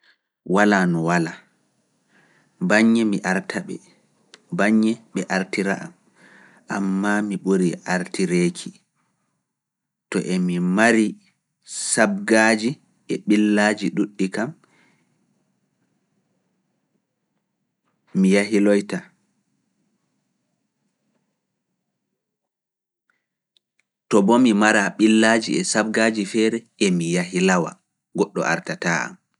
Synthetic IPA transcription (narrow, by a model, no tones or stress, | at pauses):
walaːnɔwala | baɲːɛmiʔaɾtʰaɓɛ̰ | baɲːɛɓɛʔaɾtiɾa̰ʔa̰m | ʔamːamiɓoɾiʔaɾtiɾeːkʰi | tɔ̰ʔemimaɾi | sab̚ɡad͡ʒi | ʔɛɓilːad͡ʒiɗuɗːikam | ijaɦilɔjta | tɔbɔmimaɾaɓilːad͡ʒiɛsab̚ɡaːd͡ʒifɛɾɛ | emijaɦilawa̰ | ɡɔɗːɔ̰ʔa̰ɾtataa̰m